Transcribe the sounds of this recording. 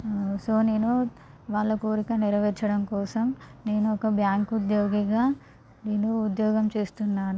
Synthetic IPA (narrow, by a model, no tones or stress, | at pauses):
soːne̞ːnu | ʋaːɭːɐkoːɾikɐniɾɐʋɛɾt͡ʃɐɽɐmkɔːsɐmne̞ːnuɔkɐbjaːŋkud̪joːɡiɡaː | neːnuːd̪jɔːɡɐmt͡ʃe̞ːst̪unːaːnu